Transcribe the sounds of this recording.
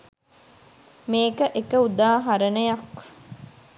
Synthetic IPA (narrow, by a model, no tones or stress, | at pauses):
meːkəʔekəud̪aːɦaɾənəjɐk